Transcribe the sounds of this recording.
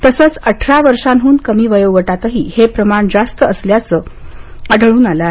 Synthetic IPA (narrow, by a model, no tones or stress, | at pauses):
t̪əsət͡səʈʰɾaʋəɾʂanɦuːnkəmiːʋəjəwʋəʈat̪əɦiːhepɾəmaɳd͡zast̪əəsljat͡səːəɖɭuːnaləae